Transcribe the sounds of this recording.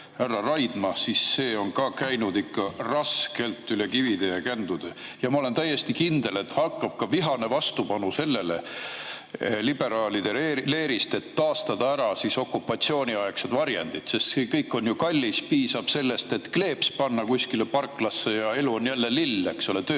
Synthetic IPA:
hærːɑrɑjd̪̥mɑsise̞ːo̞nkɑkæjnud̪ikːɑrɑske̞lt̪ːˑyle̞kivid̪̥e̞jɑkænd̪̥ud̪̥ejɑmɑole̞nt̪æje̞st̪ikind̪̥e̞le̞t̪hɑkːɑb̥̚kɑviɦɑne̞vɑst̪upɑnuse̞lːe̞le̞̰ | lib̥e̞ɾɑːlid̪e̞ele̞ːɾist̪e̞t̪ːɑːst̪ɑd̪̥ɑæɾɑsiso̞kːˑupːˑɑt̪sio̞ːnʲiɑeksed̪vɑɾjḛnd̪̥it̪sest̪skɤjkːo̞njukɑlʲːispiːsɑb̥se̞lːe̞st̪e̞t̪kle̞ːpspɑnːɑkusʲkilepɑrkːˑlɑsːe̞jɑe̞luonjælːe̞lilːekso̞let̪øː

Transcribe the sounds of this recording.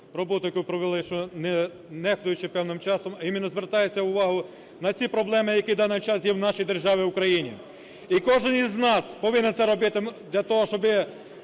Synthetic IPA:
rɔbɔt̪ʊjɐkupɾɔʋelˠɪʃt͡ʃɔnɛ | nɛxt̪ʊjʊt͡ʃɪpɛwnɪmt͡ʃɑsɔmɐimʲɪnːɔzʋert̪ɑjet͡sʲːɐʊʋɑɦʊ | nɐt͡sʲipɾɔblˠɛmɪjɐkʲid̪ɑnɪt͡ʃɑsjɛwnɑʃijd̪erʒɑʋʲɪwʊkɾɐjinʲḭ | ikɔʒɪniznɑspɔʋɪnɛnt̪sɛɾɔbɪt̪ɪd̪lʲɐt̪ɔɦɔʃt͡ʃɔbɪ

